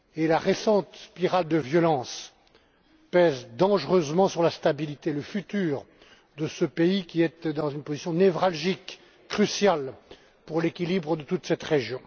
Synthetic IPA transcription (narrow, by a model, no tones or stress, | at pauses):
elaʁesɑ̃t̪spiʁald̪əvjɔlɑ̃s | pɛzd̪ɑ̃ʒʁøzmɑ̃syʁlast̪abilit̪eləfyt̪yːʁ | d̪əsəpeikʲiɛt̪d̪ɑ̃zynpozisjɔ̃nevʁalʒikː | χysjal | puʁlekʲilibʁəd̪ət̪ut̪sɛt̪ʁeʒjɔ̃